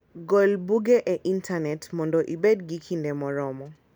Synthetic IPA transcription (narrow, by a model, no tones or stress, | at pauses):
ɡɔlbuɡeʔeʔintʰanɛtmɔndɔʔibedɡikʰindɛmɔɾɔmɔ